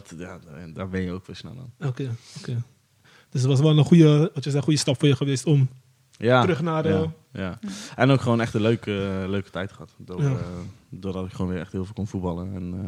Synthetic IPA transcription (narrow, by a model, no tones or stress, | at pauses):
dtjaːdaːɹbɛnjəowkʋɪːlˠsnɛ̰lˠɔ̰nokeːokeː | d̥øs̬ətʋɑs̬ʋɛləχujətsɛχujəstɑpfoːjəχəʋestɔm | jaːrɵχnaːrə | jaːɛnowkχəʋoːnɛχtənløɥkəløɥkə̥tɛjtχəɦɑtdoːjadʊːɹdɑtɪkχəoːnʋɪːɾʔɛχthɪːlˠvɪlˠkɔnfut̚bɑləɛn